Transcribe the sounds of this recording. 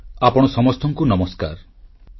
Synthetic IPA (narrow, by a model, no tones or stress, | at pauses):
apɔɽ̃ɔsɔmɔst̪ʰɔŋkunɔmɔska̰ɾ